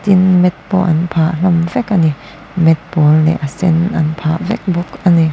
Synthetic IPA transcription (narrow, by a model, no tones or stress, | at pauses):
t̪inmɛt̪̚pɔ̰ʔɐ̰npʰaːʔl̥ɐmvɛkani | mɛt̪̚pɔlːɛ̰ʔasɛnʔɐnpʰaːʔvɛ̰k̚bɔkʔani